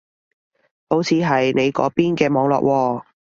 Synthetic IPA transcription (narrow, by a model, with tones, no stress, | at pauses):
ho˨˥wt͡sʰiː˨˧ɦɐ˨jne˨˧jkɔ̰ː˨˥piː˥nkɛː˧mɔː˨˧ŋlɔ̰ː˨˩k̚wɔː˧